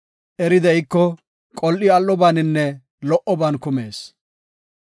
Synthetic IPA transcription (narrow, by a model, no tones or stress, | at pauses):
ʔɛɾɪd̪ɛjkːɔ | kʼɔlʔɪɐlːɔbaːnɪnːɛ | lɔʔɔbaːnkʊmeːs